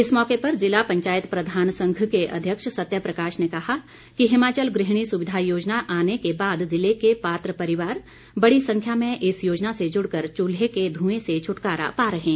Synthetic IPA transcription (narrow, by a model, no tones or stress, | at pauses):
ɪsmɔːkepɐɾzɪlapɐ̃ɲt͡ʃaːɪt̪pɾɐd̪ʱaːnsɐ̃ŋɡʱkeʔɐ̰d̪ʱjəkʃsɐt̪jəpɾɐkaːʃnekɐɦa | kiɦɪmaːt͡ʃəlɡɾɪɦɽ̃isʊʋɪd̪ʱajoːd͡ʒnaʔaːnekebaːd̪zɪlekepaːt̪ɾəpɐɾɪʋaːɾ | bɐɽisɐ̃ŋkʰjamẽʔɪsjoːd͡ʒnased͡ʒʊɽkəɾt͡ʃuːlɦeked̪ʱũːẽset͡ʃʰʊʈkaːɾa̰paːɾɐɦẽː